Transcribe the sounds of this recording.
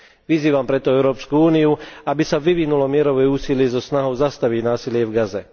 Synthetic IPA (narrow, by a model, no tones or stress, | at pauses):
ʋiziːʋampɾɛt̪ɔɛʊɾɔːpskuuːniuabisaʋiʋinulɔmɪɛɾɔʋɛuːsilɪɛzɔsnaɦɔʊzast̪aʋiɟnaːsilɪɛvɡazɛ